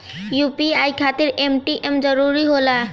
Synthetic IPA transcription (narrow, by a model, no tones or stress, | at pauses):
jupiajkʰat̪eɾemʈiʔemd͡ʒɔɾuɾiɦola